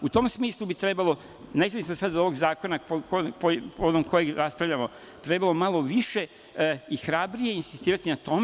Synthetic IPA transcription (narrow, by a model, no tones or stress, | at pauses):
ut̪o̞ːmsmiːslˠubit̪ɾe̞balˠo̞ | nezaisosad̪o̞ʋo̞ɡzaːko̞naokopopood̪nomko̞jeɡɾaspɾaʋʎʲamo̞ | t̪ɾe̞balˠomalˠo̞ʋiʃe̞ | ixɾabɾijeinsist̪iːɾat̪inat̪o̞me